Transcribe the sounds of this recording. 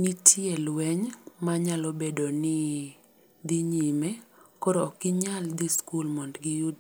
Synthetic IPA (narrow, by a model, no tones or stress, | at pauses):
nitʰjelwɛɲmaɲalɔbedonɪ | d̪iɲimekɔɾɔːkɪɲald̪iskulmɔndɡɪjud